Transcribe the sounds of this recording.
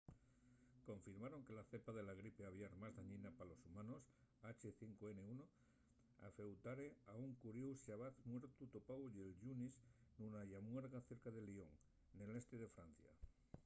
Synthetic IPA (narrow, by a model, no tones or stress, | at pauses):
ko̞ɱfiɾmaɾo̞ŋke̞laθepaðe̞laɣ̞ɾipeaβjaɾmazðaɲĩnapalo̞sumãno̞s | at͡ʃeθiŋkoeneuno | a̰fe̞wt̪aɾeauŋkuɾjuwsaβaθmweɾt̪ut̪opajelʝunisnunajamweɾɣaθe̞ɾkaðe̞lioŋ | nele̞st̪eð̞e̞fɾan̟θja̰